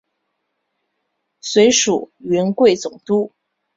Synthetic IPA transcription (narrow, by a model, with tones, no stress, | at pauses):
swe˧˥ɪʂu˨˩ɥɛ˧˥nkwe˥˩ɪt͡sʊ˨˩ŋt̪u˥˩